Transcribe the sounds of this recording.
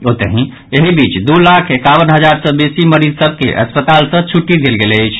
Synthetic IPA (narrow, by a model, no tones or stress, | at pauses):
ot̪eɦĩ | eɦibit͡ʃd̪ulakʰekaʋənɦəd͡ʒaɾsə̃besiməɾid͡ʒsəb̚ʱkḛʔə̰spət̪alsə̃t͡ʃʰuʈːid̪elɡeleəjt͡ʃʰ